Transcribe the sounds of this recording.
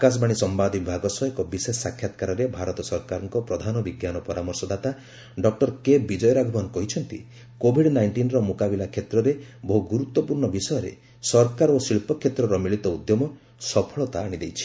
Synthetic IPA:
akas̬baɽ̃isɔmbad̪ʱbibʱaɡɔsɔekɔbisesːakʰːjat̪kaɾɔɾebʱaɾɔt̪ɔsɔɾkaɾɔŋkɔpɾɔd̪ʱanɔbiɡjanɔpɔɾamɔɾsɔd̪at̪a | ɖɔk̚ʈɔɾkebid͡ʒɔjɔɾaɡʱɔbanɔkɔɦit͡ʃʰɔnt̪ḭ | kobʱiɖnajɳʈinɔɾɔmokabilakʰjet̪ɾɔɾeboɦuɡuɾut̪ːɔpuɾɳɔbisɔjɔɾḛ | sɔɾkaɾosiɭpɔkʰjet̪ɾɔɾɔmiɭit̪ɔud̪jɔmɔ | sɔpʰɔɭɔt̪aːɽ̃id̪ejt͡ʃʰi̥

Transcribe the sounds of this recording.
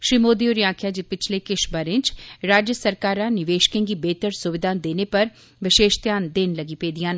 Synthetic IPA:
ʃɾiːmoːd̪ioːɾiãːkʰjaːd͡ʒipɪt͡ʃʰlekɪʃbəɾɪ̃nt͡ʃɾaːd͡ʒjəsəɾkaːɾãːnɪʋeːʃkẽːŋɡibeːt̪əɾsʊʋɪd̪ʱaːnd̪eːnepɐɾ | ʋɪʃeːʃt̪jaːnd̪enləɡipeːd̪ijãːn

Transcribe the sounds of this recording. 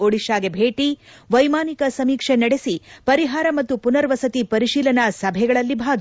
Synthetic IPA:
oɽiʃaːɡebʱeːʈi | ʋɐjmaːnikɐsɐmiːkʂenɐɽesipɐɾiɦaːɾɐmɐt̪ːupunɐɾʋɐsɐt̪ipɐɾiʃiːlɐnɐsɐbʱɛɡɐɭɐlːibʱaːɡ̪i

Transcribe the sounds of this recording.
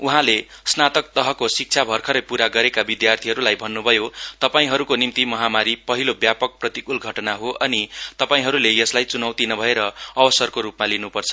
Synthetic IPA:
uɦãle | snat̪ʌk̚t̪ʌɦʌkosik̚t͡sʰabʱʌrkʰʌɾʌjpuɾaɡʌɾekabid̪jart̪ʰiɦʌɾulajbʱʌnːubʱʌjot̪ʌpaĩɦʌɾukonimt̪imʌɦamaɾipʌɦilobjapʌk̚prʌt̪ikulɡʱʌʈʌnaɦoʔʌnit̪ʌpaĩɦʌɾulejʌslajt͡sunʌwt̪inʌbʱʌeɾʌːbʌsʌrkoɾupmalinupʌrt͡sʰʌ̥

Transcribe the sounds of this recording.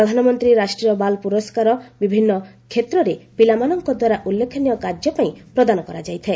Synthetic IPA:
ɾɔd̪ʱanɔmɔnt̪ɾiɾasʈɾiɔbalpuɾɔskaɾɔbibʱinːɔ | kʰet̪ɾɔɾepilamanɔŋkɔd̪waɾaʔulːekʰɔnijɔkaɾd͡ʒɔpaĩpɾɔd̪anɔkɔɾad͡ʒajt̪ʰe

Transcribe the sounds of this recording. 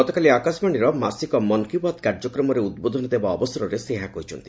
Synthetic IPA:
ɔt̪ɔkaliakasmaɽ̃iɾɔmasikɔmɔnkiubat̪kaɾd͡ʒɔkɾɔmɔɾeud̪̚bod̪ʱɔnɔd̪ebaɔbɔsɔɾɔɾeseɦakɔɦit͡ʃʰɔnt̪i

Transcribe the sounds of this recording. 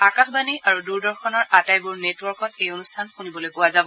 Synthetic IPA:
akaxbaniʔaɹuduɹdɔɹxʰɔnɔɹʔatajbʊɹnetwɔɹkɔt̚ejonustʰanxunibɔlojkʊwazabɔ

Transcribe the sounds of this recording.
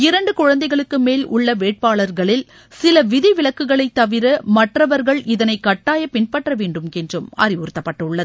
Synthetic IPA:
ɪɾɐɳɖɯkʊɻɐnd̪ɐɪɣɐɭɯkːɯmeːlʊ̰ɭːɐʋeːʈ̚paːɭɐɾɣɐɭɪl | sɪlɐʋɪðiʋɪɭɐkːɯɣɐɭɐɪt̪ːɐʋɪɾɐmɐʈrɐʋɐɾɣɐɭʔɪðɐnɐɪkːɐʈːaːjɐpɪnpɐʈrɐʋeːɳɖɯmɛndrɯmɐ̰rɪʋʊɾɯt̪ːɐpːɐʈːɐʊɭːɐðɯ

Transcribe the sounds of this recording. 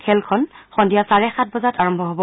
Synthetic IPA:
kʰɛlkʰɔnxɔndijasaɹɛxat̚ʰbɔzataɹɔmbʱɔɦobɔ

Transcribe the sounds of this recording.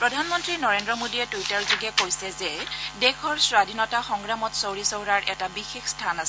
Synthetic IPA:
pɹɔdʱanmɔntɹinɔɹendɹɔmodiɛtujtaɹzuɡɛkojsɛzɛdɛkʰɔɹswadʱinɔtaxɔŋɡɹamɔtsowɹisowɹaɹʔɛ̰tabixexstʰanas

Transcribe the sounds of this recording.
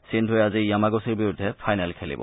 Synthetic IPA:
sintʰojazijamaɡosiɹbiɹudʱːɛpʰajnɛlkʰelḭbɔ̰

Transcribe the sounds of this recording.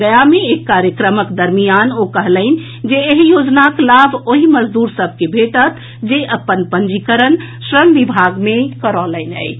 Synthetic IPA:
ɡəjameekːaɾjəkɾəməkd̪əɾmijanokəɦləɪn̆ | d͡ʒeːɦjod͡ʒnaklabʱoɦiməd͡ʒd̪uɾsəb̚ʱkebʱeʈət̪ʰ | d͡ʒeʔəpːənpənd͡ʒikəɾən | sɾəmʋibʱaɡmekəɾɔləɪnə̰ɪ

